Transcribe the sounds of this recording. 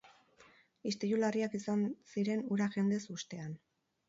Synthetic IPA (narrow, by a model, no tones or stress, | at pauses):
ist̪ejulariakisansiɾe̞nuɾaʝe̞nd̪e̞sust̪e̞an